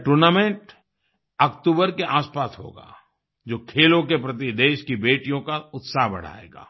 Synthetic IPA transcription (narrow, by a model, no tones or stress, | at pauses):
ʈuɾnaːmẽɳʈ | ɐkʈ̪uːbəɾkeʔaːspaːsɦo̰ːɡa̰ː | d͡ʒoːkʰeːlõkepɾɐt̪̬id̪eːʃkibeːʈijõkaʊt̪saːɦbɐ̰ɽ̤a̰ːḛːɡa̰ː